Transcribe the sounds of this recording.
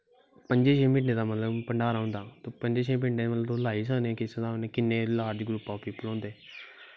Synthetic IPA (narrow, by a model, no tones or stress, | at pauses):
pəɲd͡ʒeːʃeːmɪ̃ɳɖẽːd̪aːmət̪ləbpəɳɖaːɾaːɦʊ̃nd̪aːt̪opəɲd͡ʒeːʃeːmɪ̃ɳɖeːmət̪ləblaːiːs̬anːkɪsed̪aːneːkɪnːẽːlaːd͡ʒɡɾʊpːaːpiːpəlɔ̃ːnd̪eː